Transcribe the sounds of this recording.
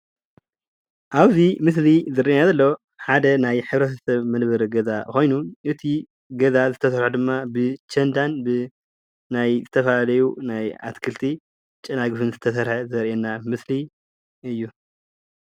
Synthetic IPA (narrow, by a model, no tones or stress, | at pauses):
ʔaβzimɨs̬lizɨɾʔinazɐlːo̞ | ħad̪ɐnajħɨβɾɐt̪ʰɐsɐβmɨnβɨɾɡɐzaxo̞jnuʔɨt̪ʰi | ɡɐzazɨt̪ʰɐsɐɾħɐd̪ɨmːabɨt͡ʃʰɐnd̪anbɨ | najzɨt̪ʰɐfalalɐjunaja̰t̪kʰɨlt̪ʰi | t͡ʃʼɐnaɡɨfɨnzɨt̪ʰɐsɐɾħɐzɐɾʔɛnːamɨsli | ɨjːu